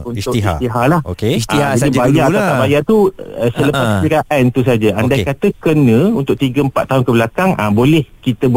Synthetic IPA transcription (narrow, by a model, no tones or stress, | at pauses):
unt̪ʊkist̪iɦalahokad͡ʒadibajat̪aabajat̪uəsələpasiɾaʔant̪us̬ad͡ʒaʔandajkat̪əkənə̃unt̪ʊk̚t̪iɡəəmpa̰t̪ːaɦʊnkəbəlakaŋʔa̰bolɛhkit̪əb